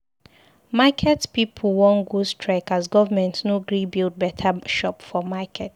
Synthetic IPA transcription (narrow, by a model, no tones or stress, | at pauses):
makʰɛtpip̩ʰwɔ̃nɡustʰɹɛkazɡɔvamɛ̃ntnoɡɹibild̚bɛtʰaʃɔpfɔmakʰɛt